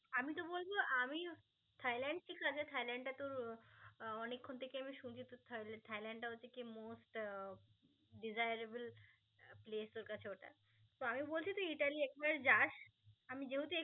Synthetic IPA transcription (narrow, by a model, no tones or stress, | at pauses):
amit̪obolboʔami | t̪ʰajlɛɳɖ̚ʃikʰat͡ɕʰet̪ʰajlaɳɖʈat̪oɾ | ɔnekʰːont̪ʰekeamiʃunt͡ɕʰit̪ot̪ʰlt̪ʰajlaɳɖʈaot͡ɕʰekimosʈ | ɖizajɾebel | plest̪oɾkat͡ɕʰeoʈa̰ | t̪oamibolt͡ɕʰit̪oiʈaliɛk̚baɾd͡ʑaʃamid͡ʑeɦut̪oe